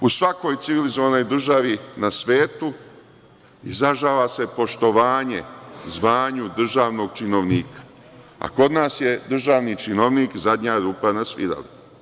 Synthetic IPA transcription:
usʋako̞jt̪siʋilizoʋano̞jd̪r̩ʒaʋinasʋe̞ːt̪u | izaʒaːʋase̞po̞ʃt̪o̞ʋaːɲḛzʋaːɲud̪r̩ʒaːʋno̞ːɡ̚t͡ʃino̞ʋniːkḁ | a̰ko̞d̪naːsje̞d̪r̩ʒaːʋnit͡ʃino̞ʋniːkzad̪ɲaːɾuːpanasʋḭd̪a̰la

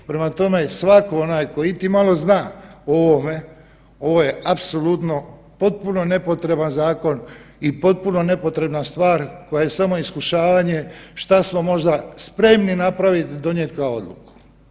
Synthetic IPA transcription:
pɾe̞mat̪o̞me̞sʋako̞onaːjko̞it̪imalˠo̞znaːoʋome̞ | o̞ʋo̞je̞apso̞lut̪no̞ | po̞t̪̚puno̞ne̞po̞t̪ɾe̞banzaːko̞nipo̞t̪̚puno̞ne̞po̞t̪ɾe̞bnast̪ʋaːɾko̞jaje̞samo̞iskuʃaːʋaɲe̞ʃt̪asmo̞mo̞ʒd̪aspɾe̞mninapɾaʋit̪id̪o̞ɲjet̪kaoo̞d̪lṵku̥

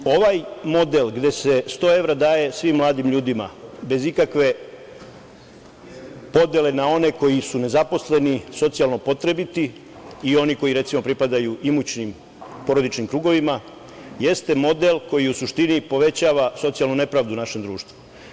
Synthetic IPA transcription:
o̞ʋajmo̞d̪e̞lˠɡd̪e̞se̞st̪o̞ːe̞ʋɾad̪aːje̞sʋimːlˠaːd̪imʎuːd̪ima̰be̞zikakʋe̞ | po̞d̪jele̞nao̞ne̞ko̞jisune̞zapo̞sle̞niso̞t̪sijalˠno̞po̞t̪ɾe̞bit̪i | io̞niko̞jiɾe̞t̪simo̞pɾipad̪ajuʔimut͡ɕnim | po̞ɾo̞d̪it͡ʃnimkɾuːɡo̞ʋima | jest̪e̞mo̞d̪e̞lko̞jiusuʃt̪inipo̞ʋe̞t͡ɕaːʋaso̞t̪sijalnune̞pɾaːʋd̪unaʃe̞md̪ɾuːʃt̪ʋu

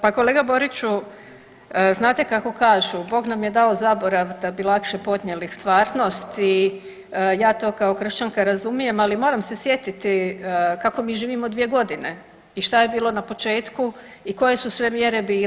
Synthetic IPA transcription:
pako̞le̞ːɡabo̞ɾit͡ɕu | znaːt̪e̞kako̞kaːʒubo̞ːɡnamje̞d̪aozabo̞ɾaʋd̪abilˠakʃepo̞d̪ɲelist̪ʋaːɾno̞st̪i | jaːt̪o̞ːkao̞kr̩ʃt͡ɕaŋkaɾazumije̞malimo̞ːɾamsesje̞t̪it̪ikako̞miːʒiːʋimod̪ʋije̞ɡo̞d̪ine̞ | iʃt̪aje̞biːlˠo̞napo̞t͡ʃe̞ːt̪kuiko̞je̞susʋe̞mje̞ɾe̞biː

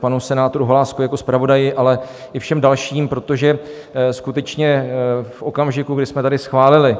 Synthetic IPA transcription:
panusɛnaːt̪oɾuɦolaːskojako̞spɾavo̞dajɪʔalɛ | ʔɪfʃɛmdalʃiːmpɾo̞t̪o̞ʒɛ | skut̪ɛt͡ʃɲɛfʔo̞kamʒɪkuɡdɪsmɛt̪adɪsxvaːlɪlɪ

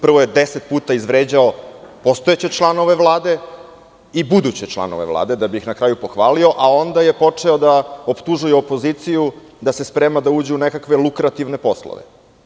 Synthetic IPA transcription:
pr̩ʋojed̪eset̪̚puːt̪aizʋɾeːd͡ʑao̞po̞st̪o̞et͡ɕe̞t͡ʃlˠano̞ʋe̞ʋlˠaːd̪e̞ | ibud̪ut͡ɕet͡ʃlˠa̰no̞̰ʋḛʋlˠa̰ːd̪e̞d̪abiixnakɾaːjupo̞xʋaːlio̞ʔao̞nd̪aje̞po̞t͡ʂeod̪aopt̪uʒujɛopo̞ziːt̪siju | d̪ase̞spɾemad̪auːd͡ʑeunekakʋe̞lˠukɾat̪iʋne̞po̞slˠo̰ʋḛ

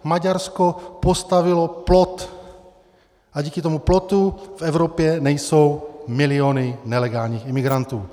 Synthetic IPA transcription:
maɟaɾskopost̪avɪloplo̞t̪ | ʔaɟiːkɪt̪omuplo̞t̪ufɛvɾopjɛnɛjso̞wmɪlɪonɪnɛlɛɡaːlɲiːximɪɡɾant̪uː

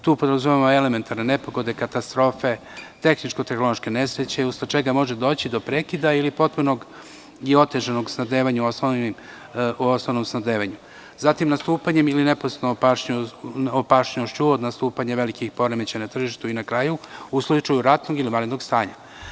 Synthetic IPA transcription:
t̪uːpod̪ɾazumemoe̞leme̞nt̪aɾne̞ne̞po̞ɡo̞d̪e̞kat̪ast̪ɾo̞ːfe̞ | t̪e̞xnit͡ʃko̞t̪exnoloʃke̞ne̞sɾet͡ɕe̞ust̪at͡ʃe̞ɡamo̞ʒed̪o̞ːt͡ɕid̪o̞pɾekid̪ailipo̞t̪̚puno̞ɡ | io̞t̪e̞ʒano̞ɡsnad̪eːʋaɲuosnoim | ʔosnoʋno̞msnad̪eːʋaɲu | zat̪imnast̪uːpaɲe̞miline̞poset̪nopaʃɲuopaʃɲoʃt͡ɕuod̪nast̪uːpaɲeʋe̞likixpo̞ɾeme̞t͡ɕenat̪r̩ʒiʃt̪uinakɾaːjuuslˠut͡ʃajuɾat̪noɡilimaɾed̪noɡst̪aːɲa

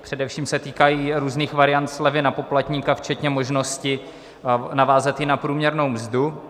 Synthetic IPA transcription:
pr̥ɛdɛfʃiːmsɛt̪iːkajiːɾuːzniːxvaɾɪjant̪slɛvɪnapo̞plat̪ɲiːkaft͡ʃɛt̪ɲɛmo̞ʒno̞scɪ | navaːzat̪jɪnapɾuːmɲɛɾno̞wmzdu

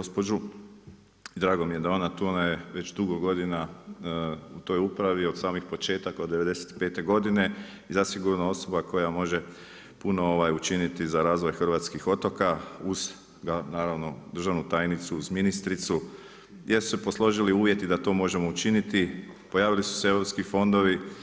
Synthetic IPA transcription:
ospod͡ʒu | d̪ɾaːɡo̞mije̞d̪ao̞nat̪uonajeʋe̞t͡ʃd̪uɡo̞ɡo̞d̪ina | ut̪o̞jupɾaʋio̞d̪saːmixpo̞t͡ʃe̞ːt̪ako̞d̪ːeʋe̞d̪e̞set̪i̥pe̞ːt̪e̞ɡo̞d̪ine̞ | izasiɡuɾnoo̞so̞bako̞jamo̞ʒe̞ | puno̞oʋajut͡ʃinit̪izaɾaːzʋo̞jxr̩ʋaːt̪skixo̞t̪o̞kauz̥ | ɡanaːɾaʋno̞d̪r̩ʒaʋnut̪ajnit̪suuzminist̪ɾit̪su | jesu̥sepo̞slˠo̞ʒiliuːʋje̞t̪id̪at̪o̞ːmo̞ʒe̞mo̞ut͡ʃinit̪i | po̞jaːʋilisu̥seeʋɾo̞pskifo̞nd̪o̞ʋi

